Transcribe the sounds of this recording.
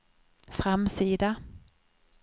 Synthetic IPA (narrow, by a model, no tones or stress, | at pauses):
fɾamsiːd̪a